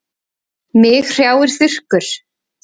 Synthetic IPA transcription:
mɪxr̥jaːwɪɾ̥θɪr̥kʏɾ̥

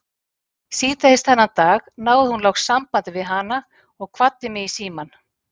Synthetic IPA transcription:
siːt̪aðɪst̪θɛnːat̪aːɣnaːwðɪhunlawxsːampant̪ɪvɪðɦana | ɔɣkʰvat̪ːɪmɪisiːman

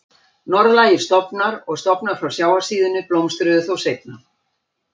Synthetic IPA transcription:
nɔɾðlaːjɪ̥st̪ɔpnaɾɔɣst̪ɔpnaɾ̥fɾawsjaːwasiːðʏnːʏplowmst̪ɾʏðʏθowsejp̚na

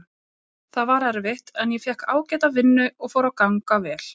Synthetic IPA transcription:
θaðvaɾɛɾvɪht̪ɛnjɛfjɛhkaːwcɛːt̪avɪnːʏʔɔɣfowɾawkaŋkavɛːl̥

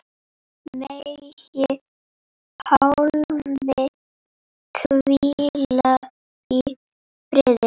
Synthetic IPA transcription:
meʃe | hawlme | kʰwilla | t̪i | pɾed̪e

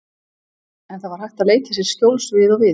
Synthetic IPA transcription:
ɛnθaðvaɾ̥hajht̪aðleːjt̪ɪsjɛɾ̥scowlsvɪðɔɣvɪ

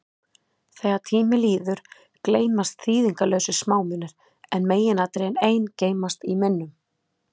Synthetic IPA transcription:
θɛːɣat̪ʰiːmɪliːðʏɾ̥ | kleːjmast̪θiːðiŋkalœːwsʏsmaːwmɪnːʏɾ̥ | ɛnmeːjɪnaːt̪ɾejɛneːjnceːjmast̪imɪnːʏm

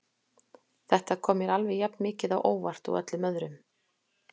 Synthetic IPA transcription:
θɛht̪akʰɔːmɪɾalvɛjapnmɪːcɪðawʔoːwvar̥t̪ɔ̰wœ̰t̪lʏmœðɾʏm

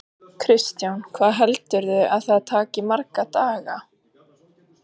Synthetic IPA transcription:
kʰɾɪst̪jawnkʰvaːðɦɛlt̪ʏɾðʏʔaðθaðt̪ʰaːcɪmaɾkat̪aːɣa

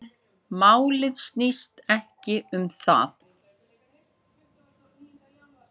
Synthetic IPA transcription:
maːwlɪðst̪nist̪ɛhcɪʏmθa̰θ

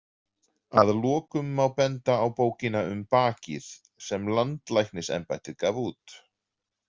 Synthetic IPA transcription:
aðlɔːkʏmːawpɛnt̪aːwpoːwcɪnaʏmpaːcɪ̰ð̥ | sɛmlant̪lajknɪsɛ̰mpajt̪ɪðkaːvuːt̪

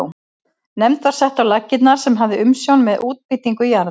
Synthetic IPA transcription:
w | nɛmt̪vaɾ̥sɛht̪awlacːɪt̪naɾ̥sɛmɦavðɪʔʏmsjownmɛðʔuːt̪̚pɪt̪iŋkʏjaɾ

